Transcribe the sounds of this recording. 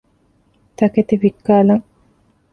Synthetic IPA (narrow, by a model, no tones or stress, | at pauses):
t̪ɐket̪iʋikːaːlɐŋ